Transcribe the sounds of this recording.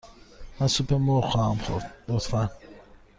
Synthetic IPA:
mansupʰemɔɾχɔhamχṵɾd̪d̪ɔt̪fan

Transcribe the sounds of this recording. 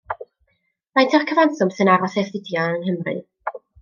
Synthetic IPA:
majntʰɛrkʰəvanθʊmsɨnaɾɔsɛθɪdjɔnənɦəmrɨ̰

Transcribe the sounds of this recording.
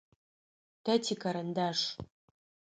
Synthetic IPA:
tʰatʰikʰaɾɐndaʂ

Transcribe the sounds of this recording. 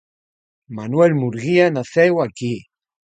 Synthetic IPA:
manwɛlmuɾɣianaθɛwaki

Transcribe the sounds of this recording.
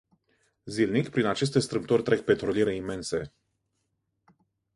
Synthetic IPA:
zilnikpɾinat͡ʃe̞s̬t̪e̞st̪ɾɨmt̪orʲt̪ɾe̞k̚pe̞t̪ɾoliɾe̞ime̞nse̞

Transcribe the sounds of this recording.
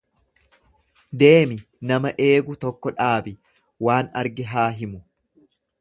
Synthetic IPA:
d̪e̞ːmɪ | nɐmɐʔe̞ːɡʊt̪ɔkːɔᶑaːbɪ | waːnɐɾɡɪɦaːɦɪmʊ

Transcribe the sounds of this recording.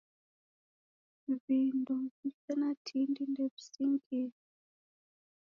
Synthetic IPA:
βinduβifɛnatʰindindɛβisiŋɡii

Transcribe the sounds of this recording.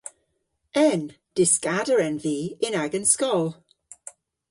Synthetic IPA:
ɛn | d̥ɪskadəɹɛ̃nviːɪ̃naɡə̃nskɔlˠ

